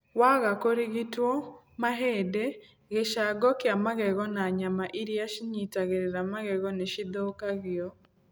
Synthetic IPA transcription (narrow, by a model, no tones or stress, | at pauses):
waɣakoɾiɣitwɔ | maɦedɛ | ɣeʃaɡɔkiamaɣɛɣɔnaɲamaʔiɾjaʃiɲitaɣeɾeɾamaɣɛɣɔneʃidokaɣiɔ